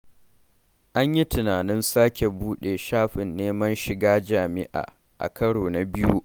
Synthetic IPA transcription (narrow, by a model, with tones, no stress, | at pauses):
ʔa˦ɲji˦tɪ˨naː˨nɪ˦nsaː˦kʲe˨buː˦ɗe˨ʃaː˦ɸɪ˨nːeː˦mɐ˦nʃɪ˨ɡaː˦d͡ʒaː˨mɪ˦ʔa̰ː˨ | ʔa̰˨kɐ˦ɽoː˨na˨bɪ˦ju˦